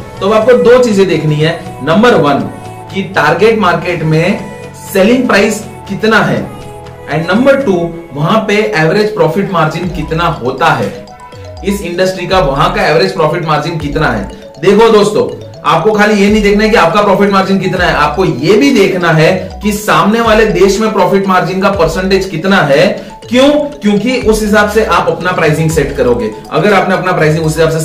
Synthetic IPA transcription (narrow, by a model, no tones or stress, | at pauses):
t̪oɐbaːp̚kod̪oːt͡ʃiːzẽd̪eːkʰniɦɛ̃ːnɐ̃mbəɾʋɐn | kiʈaːɾɡeːʈmaːɾkeːʈmẽ | seːlɪ̃ŋɡpɾaːɪs | kɪt̪naɦɛ̰ː | ɛ̃ːɳɖnɐ̃mbəɾʈuːʋɐɦãpeʔɛːʋɾeːd͡ʒpɾɔːfʰɪʈmaːɾd͡ʒɪnkɪt̪naɦoːt̪aɦɛ̰ː | ɪsɪ̃ɳɖəsʈɾikaʋɐɦãkaɛːʋɾeːd͡ʒpɾɔːfɪʈmaːɾd͡ʒɪnkɪt̪naɦɛ̰ː | d̪eːkʰod̪oːst̪õ̰ː | a̰ːp̚kokʰaːlijenɐɦĩd̪eːkʰnaɦɛk̬iaːp̚kapɾɔːfɪʈmaːɾd͡ʒɪ̃nk̬ɪt̪naɦɛʔaːp̚kojebʱid̪eːkʰnaɦɛkisaːmneʋaːled̪eːʃmẽpɾɔːfɪʈmaːɾd͡ʒɪ̃ŋɡkapɐɾsə̃ɳʈeːd͡ʒkɪt̪naɦɛː | kjõːkjõːkiʔʊsɦɪs̬aːbseʔaːpɐpnapɾaːɪzɪ̃ŋɡseʈkɐɾoːɡeː | ɐ̰ɡəɾɐːpneɐpnapɾaːɪzɪ̃ŋɡʊsɦɪsaːbs̬e